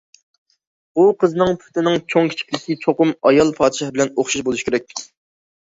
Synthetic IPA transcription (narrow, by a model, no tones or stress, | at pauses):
uqʰəznɨŋpʰy̥t̪ɪnɪŋt͡ʃʰoŋkʲʰi̥t͡ʃʰi̥kʲlɪkʲit͡ʃʰoqʊmɑjɑlˠpʰɑːd̪ʃɑhbɪlɛnoχʃɑʃbolˠuʃkʲeɪɾɛk̚ʲ